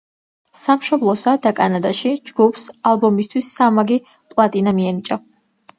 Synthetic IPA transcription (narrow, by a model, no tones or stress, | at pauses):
samʃɔblˠɔsad̪akʼanad̪aʃid͡ʒɡupʰsalˠbɔmist̪ʰwisːamaɡi | pʼlˠat̪ʼinamiɛnit͡ʃʼɔ